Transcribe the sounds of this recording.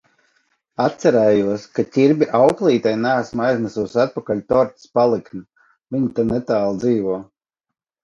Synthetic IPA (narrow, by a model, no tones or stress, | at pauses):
at̪sɛɾɛːjuɔskat̪ʲiɾbʲiʔawklˠiːt̪ajnɛːsmajzʲnɛsusat̪̚pakalʲt̪ɔɾt̪spalˠiknʲi | vʲiɲit̪anɛt̪aːlˠd̪ziːvuɔ